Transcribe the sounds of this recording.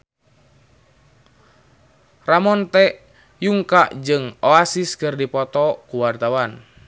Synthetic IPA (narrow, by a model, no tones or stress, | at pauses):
ramɔnt̪ɛ | juŋkaʔd͡ʒɨŋoasiskɨrdipɔt̪ɔkuwart̪awan